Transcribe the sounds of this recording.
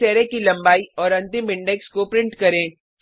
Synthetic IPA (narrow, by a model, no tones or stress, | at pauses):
ɛːɾekilɐ̃mbaːiɔːɾɐ̃nt̪ɪmɪ̃ɳɖɛkskopɾɪ̃ɳʈkɐɾẽː